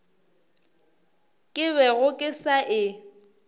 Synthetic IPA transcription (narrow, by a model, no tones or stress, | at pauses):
kʼɪβɛɣʊkʼɪsaʔɪ